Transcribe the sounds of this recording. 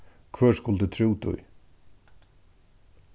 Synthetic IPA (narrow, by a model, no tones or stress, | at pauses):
kʰvœːʂkʊld̪ət̪ʰɾuːt̪ʰʊ̰j